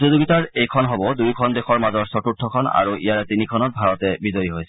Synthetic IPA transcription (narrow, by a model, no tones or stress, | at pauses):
zozoɡitaɹejkʰɔnɦɔbɔdujkʰɔndɛxɔɹmazɔɹsɔtutʰːɔkʰɔna̰ɹuʔḭjaɹɛtinikʰɔnɔt̚bʱaɹɔtɛbizɔjiɦojsɛ̥